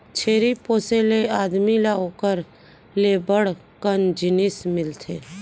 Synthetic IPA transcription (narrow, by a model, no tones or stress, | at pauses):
t͡ʃʰeːɾipoːseleaːd̪milaoːkəɾ | lebəɽ | kənd͡ʒɪnɪsmɪlt̪ʰeː